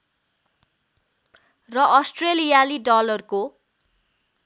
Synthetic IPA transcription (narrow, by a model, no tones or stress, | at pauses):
rʌʔʌsʈrelijaliɖʌlʌrko